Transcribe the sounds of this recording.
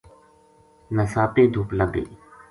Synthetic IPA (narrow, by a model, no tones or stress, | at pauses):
nəsaːt̪ẽːd̪ʱʊːpləɡḛː